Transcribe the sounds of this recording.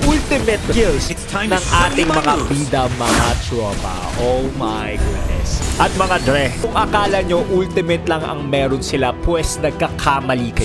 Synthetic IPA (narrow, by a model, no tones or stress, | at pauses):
ʔult̪ɪmɛt̪kils | nɐŋʔaːt̪ɪŋmɐŋabiːd̪ɐmɐɐt͡ʃoba̰ | ʔomajɡud̪̚nɛ̰sʔɐt̪̚mɐŋad̪ɾɛsʊŋʔɐkaːlɐɲoʔult̪ɪmɛt̪lɐŋɐ̰ŋmɛːɾonsɪlapwɛsnɐɡ̚kɐkʰamɐlikɐ